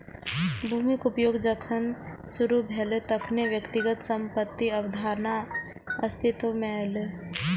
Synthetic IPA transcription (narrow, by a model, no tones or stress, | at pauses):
bʱuːmikupjoːɡd͡ʒəkʰənsuɾubʱelet̪əkʰneʋjəkt̪ɪɡət̪sə̃mpət̪ːiɐʋəd̪ʱaːɾna | ɐst̪ʰit̪ʋəmeale